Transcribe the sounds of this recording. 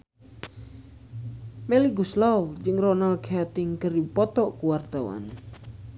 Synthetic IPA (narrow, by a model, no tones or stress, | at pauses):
meliɡuslawd͡ʒɨŋronalkat̪ɪŋkəɾipɔt̪ɔʔkuward̪̥awa̰n